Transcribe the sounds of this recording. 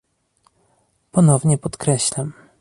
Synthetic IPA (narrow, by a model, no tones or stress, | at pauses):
pɔnɔvɲɛpɔt̪kɾɛɕlam